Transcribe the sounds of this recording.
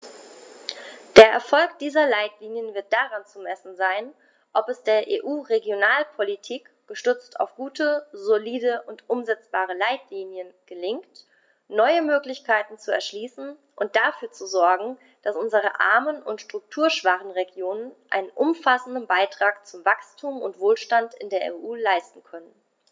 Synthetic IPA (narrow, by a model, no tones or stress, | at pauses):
d̥eːɐʔɛɐfɔlk̚d̥iːzɐlaɪtliːnjənvɪɐt̚d̥aʁant͡sumɛsn̩zaɪn | ʔɔpɛsd̥eːɐʔḛːʔuːʁeɡjonaːlpʰolitʰiːk | ɡ̥əʃtʏt͡sta̰ʊfɡ̥uːtʰəzoliːdəʔʊntʔʊmzɛt͡sb̥aːʁ̞əlaɪtliːnjənɡ̥əlɪŋkt | nɔʏəmøːklɪçkʰaɪtn̩t͡suɛ̰ɐʃliːsn̩ | ʔʊnt̚d̥afyːɐt͡suzɔɐɡŋ̩ | d̥asʔʊnzəʁ̞əʔa̰ɐmənʊntʃtʁ̥ʊk̚tʰuːɐʃv̥aχn̩ʁeɡjoːnənʔa̰ɪnənʔʊmfasn̩dənbaɪtʁ̥aːkt͡sʊmvakstʰuːmʊ̰ntv̥oːlʃtantɪ̰ndeːɐʔḛːʔuːlaɪstn̩kʰœnən